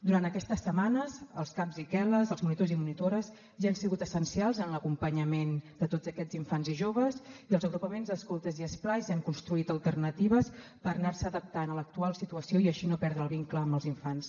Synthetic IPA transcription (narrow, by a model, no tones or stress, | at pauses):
d̪uɾant̪əkɛst̪əsəmanəzəlˠskapzikɛləzəlˠzmunit̪ozimunit̪oɾəz | ʒaansiɣut̪əsənsialˠzənləkumpəɲəmend̪ət̪od͡zəkɛd͡ziɱfanziʒoβ̞əziəlˠzəɣɾupəmenzðəskulˠt̪əziəsplajzaŋkunst̪ɾuit̪əlˠt̪ərnət̪iβ̞əspəɾnaɾsəðəp̚t̪anələk̚t̪ualˠsit̪uəsioiəʃinopɛɾðɾəːlˠβiŋkləːmbəlˠziɱfans